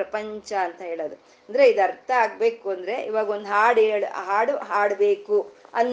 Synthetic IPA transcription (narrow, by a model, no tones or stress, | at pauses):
ɐpɐɲt͡ʃɐːnt̪ɐɦeːɭoːd̪u | ɐnd̪ɐɾe̞id̪ɐɾt̪ɐaːɡbe̞ːkuɐnd̪ɐɾe̞ḭʋaːɡɐo̞nd̪uɦaːɽeːɭɦaːɽuɦaːɽbe̞ːkuɐnː